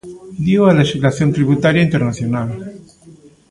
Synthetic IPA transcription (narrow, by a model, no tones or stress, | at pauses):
d̪jowaleʃizlaθjont̪ɾiβut̪aɾjaint̪eɾnaθjonal